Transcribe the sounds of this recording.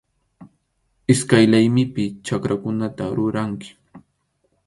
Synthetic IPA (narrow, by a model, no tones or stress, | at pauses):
ɪskajlajmɪpɪt͡ʃakɾakʊnat̪aɾʊɾaŋkɪ̥